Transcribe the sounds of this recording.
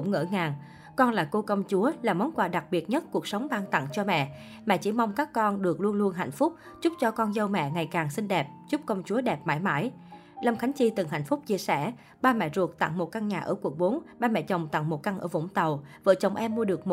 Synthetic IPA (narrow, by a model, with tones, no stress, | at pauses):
ŋ͡mŋə̰ː˧˩ŋaː˨˩ŋ | kɔ˧nla̰ː˨˩ko˧kə˧wŋ͡mt͡ɕu˨˦əlaː˨˩mɔ˨˦nkwaː˨˩ɗa˨˩k̚ɓi˨˩ət̚ɲə˦˥t̚ku˨˩ək̚sə˨˦wŋ͡mɓaː˧ŋt̪a̰˧˨ŋt͡ɕɔ˧mɛ̰˧˨ | mɛa̰˧˨˩t͡ɕḭ˧˩ma˧wŋ͡mkaː˦˥kːɔ˧nɗɨ˨˩ək̚lu˧ənlu˧ənɦa̰˧˩jŋ̟fʊ˦˥k͡p̚ | t͡ɕʊ˦˥p̚t͡ɕɔ˧kɔ˧nzə˧wmɛ̰˧˨ŋa˨˩jkaː˨˩ŋsï˧nɗɛ˨˩p̚zʊ˦˥p̚kə˧wŋ͡mt͡ɕu˨˦əɗɛ˨˩p̚maː˧˥˦jma̰ː˧˥j | lə˧ŋ͡mxa˨˦jŋ̟t͡ɕi˧t̪ɨ˨˩ŋɦa̰˧˨jŋ̟fʊ˦˥k͡p̚t͡ɕi˧əsɛ˧˩ | ɓaː˧mɛ̰˧˩zu˨˩ək̚t̪a̰˧˨ŋmo˨˩t̚ka˧ŋɲaː˨˩ʔəː˧˩ku˨˩ək̚ɓo˨˦nɓaː˧mɛ̰˧˨t͡ɕə˨˩wŋ͡mt̪a̰˧˨ŋmo˨˩t̚ka˧ŋʔə̰ː˧˩vʊ̰˧˥˩ŋ͡mt̪ə˨˩wvə̰ː˧˩t͡ɕə˨˩wŋ͡mʔɛ˧mːu˧əɗɨ˨˩ək̚mo˨